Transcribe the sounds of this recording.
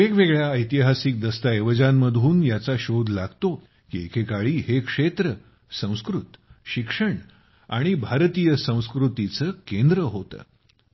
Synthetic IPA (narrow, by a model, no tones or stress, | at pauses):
ekʋeɡɭjaəjt̪iɦasik̚d̪əst̪aeʋəd͡ʑamːəd̪ʱuːnjat͡saɕod̪ʱlaɡt̪o | kiekʰekaɭiːɦekʂet̪ɾə | sə̃w̃skɾut̪ɕikʂəɳ | a̰ɽ̃ibʱaɾt̪ijəsə̃w̃skɾut̪it͡səːkend̪ɾəɦot̪ə̰ː